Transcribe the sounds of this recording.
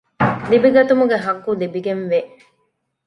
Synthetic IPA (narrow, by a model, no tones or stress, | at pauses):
libiɡɐt̪umuɡeɦɐɡːulibiɡenʋe